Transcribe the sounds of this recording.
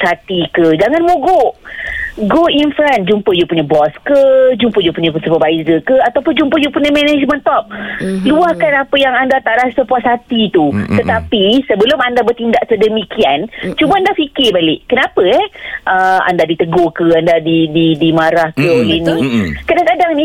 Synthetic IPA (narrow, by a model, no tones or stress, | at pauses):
sat̪ikəd͡ʒaŋanmoɡo | ɡoinfɾɛnd͡ʒumpəjupuɲəbɔskəd͡ʒumpəjupuɲəsupəbaizəkəat̪awpʊnd͡ʒumpəjupuɲəmɛnɛd͡ʒmə̃nt̪ɔp̚luahkanapəjaŋandat̪aɾasəpuat̪sat̪it̪ut̪ət̪apisəbəlʊmandabərt̪indaʔt̪ədəmikiant͡ʃubəandafikɪrbalɪʔkənapəɛʔəa̰ndadit̪əɡokəandadididimaɾahkəolənikədaŋkadaŋnĩ